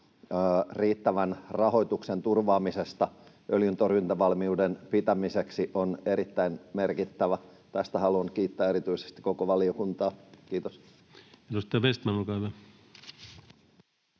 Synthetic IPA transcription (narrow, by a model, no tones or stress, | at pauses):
riːt̪ːæʋænrɑho̞it̪uksent̪urʋɑːmisest̪ɑ | ʔøljynt̪orynt̪æʋɑlmiuːdenpit̪æmiseksiʔoneɾit̪ːæinmerkit̪ːæʋæ | t̪æst̪æhɑluɑŋkiːt̪ːæːeɾit̪yise̥st̪i̥kokoʋɑliokunt̪ɑːkiːt̪os | edust̪ɑɑʋest̪mænulkɑiʋæ